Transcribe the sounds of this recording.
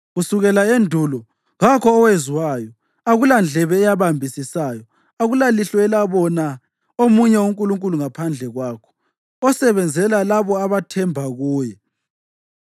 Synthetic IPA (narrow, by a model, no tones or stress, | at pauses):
ɣusuɣɛlaendʱulɔ | ɣakʰɔːweziwajɔ | aɣuland͡ɮʱɛβɛːjaβambʱisisaːjɔ | aɣulaliɬɔɛlaβɔna | omuɲɛuŋkʼuluŋkʼuluŋapʰand͡ɮʱɛɣwaːkʰɔ̥ | ɔsɛβɛnd͡zʱɛlalaβɔaβatʰɛmbʱaɣuːjɛ